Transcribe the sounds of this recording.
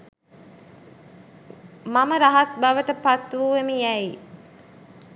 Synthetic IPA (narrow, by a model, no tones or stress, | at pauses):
maməɾaɦat̪̚baʋəʈəpat̪ʋuːʋemijæji